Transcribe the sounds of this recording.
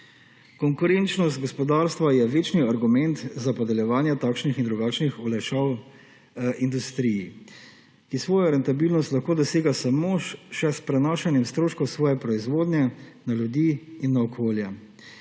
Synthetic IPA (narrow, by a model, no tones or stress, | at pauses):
kɔŋkuɾɛnt͡ʃnɔst̪̚ɡɔspɔd̪aɾst̪ʋajɛʋeːt͡ʃniaɾɡumɛnt̪zapɔd̪ɛljɛʋaːnjɛt̪aːkʃnixind̪ɾuɡat͡ʃnixulɛʃɔw | ind̪ust̪ɾiji | kisʋɔːjaɾɛnt̪abiːlnɔst̪lɐxkoːd̪ɔseːɡasamoʃɛspɾɛnaːʃɛnjɛmst̪ɾoːʃkɔwsʋɔːjɛpɾɔizʋoːd̪nʲjɛnalʲjud̪iinːaɔkʰoːljɛ